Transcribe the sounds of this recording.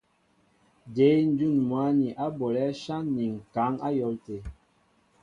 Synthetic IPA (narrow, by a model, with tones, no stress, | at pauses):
de˨˦n̩˦d͡ʒu˦˨nmwa˨˦ni˨ʔa˦bɔ˨lɛ˦ʃa˦nːi˨ŋ˨ka˨˦ŋa˦jɔ˨˦lte˨